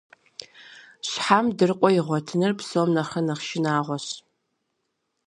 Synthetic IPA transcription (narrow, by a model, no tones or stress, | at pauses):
ɕħamdɨrqʷʼɔɪʁʷɔtʰɨnɨrpsomnɐχɐnɐχʃɪnaːʁʷɔɕ